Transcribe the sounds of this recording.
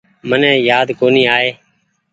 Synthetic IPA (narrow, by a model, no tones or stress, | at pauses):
mənɛ̃ːjaːd̪koːniːaːeː